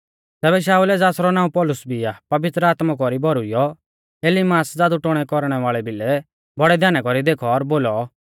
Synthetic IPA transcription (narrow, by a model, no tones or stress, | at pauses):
t̪ɛːbɛʃ̬aːulɛd͡zaːsɾɔnaːũpɔlʊsbʱiapɐʋɪt̪ɾəaːt̪mak̬ɔɾibɔɾʊijɔ | eːlɪmaːsd͡zaːd̪uʈoɽ̃ɛkɔɾɽ̃ɛʋaːɭɛbʱɪlɛ | bɔɽɛd̪ʱjaːnakɔɾid̪eːkʰɔːɾboːlɔ